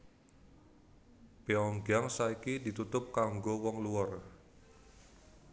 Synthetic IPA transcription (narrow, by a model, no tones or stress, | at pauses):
peɔŋɡaŋsaikidit̪ut̪ʊp̚kaŋɡowɔŋluɔr